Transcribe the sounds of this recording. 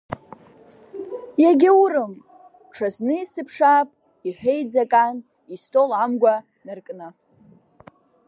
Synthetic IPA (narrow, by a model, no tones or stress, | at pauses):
jaɡʲɪuɾɨm | ʈ͡ʂʰaznɨisɨpʰʂapʼ | iħʷᶣejd͡zakʼan | istʼolʕamɡʷa | nɨrkʼna